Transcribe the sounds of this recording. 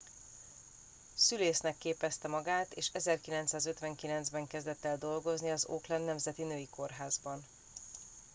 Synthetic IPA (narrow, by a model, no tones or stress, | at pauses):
syleːsnɛkːeːpɛst̪ɛmɒɡaːt̪eːʃɛzɛrkilɛnt̪saːzø̞t̪ʋɛŋkilɛnzbɛŋkɛzd̪ɛt̪ːɛld̪o̞lɡo̞zniɒzoːklɛnːɛmzɛt̪inøːjiko̞rɦaːzbɒn